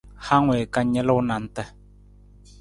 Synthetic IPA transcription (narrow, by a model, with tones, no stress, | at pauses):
ha˦ŋwe˨ka˦ɲɛ˦lə˦wna˨n̩˦tə˦